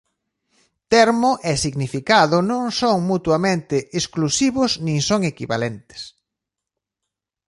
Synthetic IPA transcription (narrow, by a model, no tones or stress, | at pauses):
t̪ɛɾmoʔɛsiɣnifikaðʊnõŋsoŋmut̪wamẽnt̪ɪʔːsklusiβʊsnĩŋsoŋekiβa̰lent̪e̥s